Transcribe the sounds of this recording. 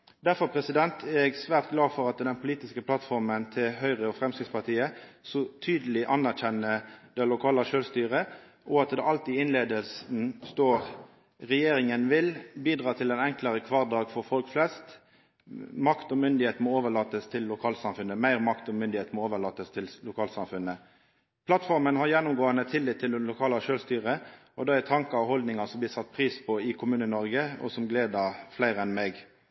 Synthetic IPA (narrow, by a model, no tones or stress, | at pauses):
d̪æɾfɔʁpʰʁɛsɪd̪ɛnt̪ʰɛɛɡsʋæːʁt̪̚ɡlɑːfɔɾɑt̪d̪ɛnpʰʊliːt̪ɪskəpʰlɑt̪fɔɾmənt̪ʰɪlɦœʏʁəɔfʁɛmsɪspʰɑʁt̪ʰiːəsɔt̪ʰyːd̪əlɪʔɑnæʁçɛnəd̪̥ɛlʊkʰɑːləʃøːlst̪yːʁə | ʔɔɑt̪d̪ɛʔɑlt̪iːɪnleːd̪əlsn̩st̪oːʁ | ʁɛjeːɾɪŋənʋɪlbiːd̪ʁɑːt̪ʰɪlɛnɛŋkləʁəkʰʋɑʁd̪ɑːɡfɔɾfɔlkflɛst̪ | mɑkt̪ɔmʏnd̪ɪheːt̪mɔoːʋəlɑːt̪əst̪ʰɪlːʊkʰɑːlsɑmfʉnəmæɪʁmɑkt̪ɔmʏnd̪ɪheːt̪mɔoːʋəʁlɑːt̪əst̪ʰɪllʊkʰɑːlsɑmfʉnːə | pʰlɑt̪fɔɾmənhɑɾjɛnːʊmɡoːənət̪ʰɪlːɪt̪ʰːɪld̪ɛnlʊkʰɑːlɑʃøːlst̪yːʁə | ɔd̪ɛæt̪ʰɑŋkɑɑhɔld̪nɪŋɑsɔmb̪ɪːsɑt̪̚ːpʰʁiːspʰɔɪkʰʊmʉːnənɔɾɡəɔ̰sɔmɡleːd̪əflæɪɾəɛnmɛɡ